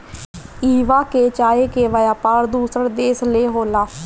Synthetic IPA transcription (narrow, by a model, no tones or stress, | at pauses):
iːʋaːkeːt͡ʃaːeːkeːʋaːjaːpaːɾd̪uːsəɾd̪eːsleːɦoːlaː